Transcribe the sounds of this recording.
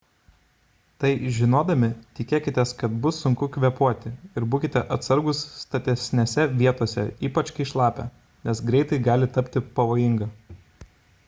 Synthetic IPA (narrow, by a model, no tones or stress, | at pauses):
t̪ɐɪʒʲɪnoːd̪ɐmʲɪt̪ʲɪkʲeːkʲɪt̪ʲɛskɐt̪bʊsːʊŋkʊkʲʋʲɛpuɔt̪ʲɪɪɾbuːkʲɪt̪ʲɛʔɐt̪sɐɾɡʊsːt̪ɐt̪ʲɛsʲnʲesʲɛʋʲiɛt̪oɔsʲɛ̰iːpɐt͡ʃkɐɪɪʃlˠɑːpʲɛ̰ | nʲɛsɡɾʲɛɪt̪ɐɪɡɑːlʲɪt̪ɐpʲt̪ʲɪpɐʋoːjɪŋɡɐː